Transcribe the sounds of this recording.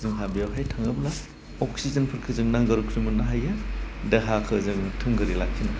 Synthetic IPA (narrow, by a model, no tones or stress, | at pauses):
zɯŋɦabijawɦajtʰaŋɐbla | ɔksizɐnpʰɯɾkʰɯzɯŋnaŋɡɐɾukʰɾimɯnaɦajadeɦakʰɯzɯŋtʰɯmɡɯɾilakʰːina